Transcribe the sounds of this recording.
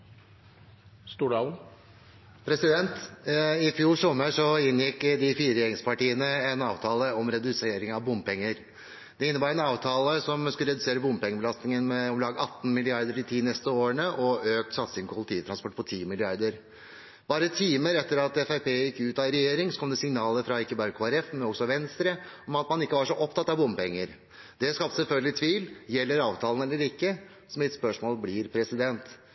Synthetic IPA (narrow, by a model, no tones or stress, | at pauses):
st̪uːɖɑ | pʰɾɛsɪd̪ɛnt̪ɪfjuːʂɔmːəʂɔɪnːjɪkːd̪ɪfiːɾəɾɛjɛːɾɪŋspɑʈiːənəɛnɑːʋt̪ʰɑːləɔmɾɛd̪ʉseːɾɪŋɑʋbʊmpɛŋːəɾ | d̪ɛɪnːəbɑːɾɛnɑːʋt̪ʰɑːləsɔmskʉləɾɛd̪ʉseːɾəbʊmbpɛŋːəbəlɑst̪nɪŋənmɛɔmlɑːɡɑt̪ːn̩mɪlɪɑɾd̪əɾɪt̪ʰiːnɛst̪əoːəɳəʔɔøːk̚t̪sɑt̪sɪŋpɔpʰʊlɪt̪ʰiːt̪ɾɑnspɔʈːpʰɔt̪ʰiːmɪlɪɑɾd̪əɾ | b̥ɑːɾət̪ʰiːməɾɛt̪ːəɾɑt̪ɛfæɪpeːjɪkːəʉːt̪ɑːɪɾɛjeːɾɪŋsɔkʰɔmd̪ɛsɪŋnɑːləɾfɾɑɪkːəbɑːɾəkʰoːæɾɛfmɛnɔɡsɔʋɛnst̪ɾəɔmɑt̪mɑnɪkːəʋɑʂɔʔɔpt̪ɑt̪ːɑʋbʊmpɛŋːəɾ | d̪̥ɛskɑp̚t̪sɛlfœlɡəlɪt̪ʰʋiːljɛlːəɾɑːʋt̪ʰɑːlən̩ɛlːəɾɪkːə | sɔmɪt̪spœʂmoːlblɪɾpʰɾɛsɪd̪ɛnt̪